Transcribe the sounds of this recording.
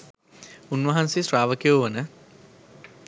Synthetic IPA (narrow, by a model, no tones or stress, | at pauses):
unʋɐɦansisraːʋəkijoʋɐnə